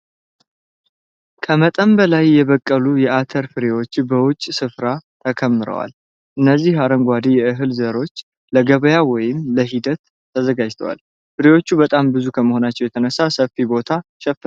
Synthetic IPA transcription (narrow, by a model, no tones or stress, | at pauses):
kʰəmət̪ʼəmbəlajːɛβəkʼːəlujɛʔat̪ʰəɾfɨɾewo̞t͡ʃːbəwʊt͡ʃʼːsɨfɾat̪ʰəkʰəmːɨɾə̰wa̰l | ʔɨnːəzːihaɾəŋɡʷad̪ijɛɨɦɨlzəɾo̞t͡ʃː | ləɡəβəjawɔjɪmləɦid̪ət̪ʰː | əzəɡad͡ʒt̪ʰəwa̰l | fɨɾewo̞t͡ʃːubət̪ʼambɨzukʰəməho̞nat͡ʃːɛwjɛt̪ʰənəsːasəfibo̞t̪ʰaʃɛf